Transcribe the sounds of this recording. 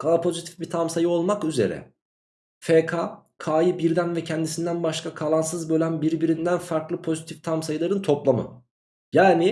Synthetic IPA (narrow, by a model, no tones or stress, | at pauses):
kʰapʰo̞zit̪ʰi̥fbit̪ʰamsajɯo̞lˠmakyze̞̰ɾɛ̰ | fekʰakʰaːjɯbiɾd̪ænvɛcʰɛnd̪isind̪ænbaʃkʰakʰalˠansɯzbø̞lʲænbiɾbiɾind̪ænfaɾklˠɯpʰo̞zit̪ʰift̪ʰamsajɯlˠaɾɯnt̪ʰo̞plˠamɯ̰ | jaːni